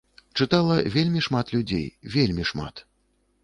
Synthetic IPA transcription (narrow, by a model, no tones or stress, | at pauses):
t͡ʂɨt̪alˠɐvʲelʲmʲiʂmat̪lʲud͡zʲḛjvʲelʲmʲiʂma̰t̪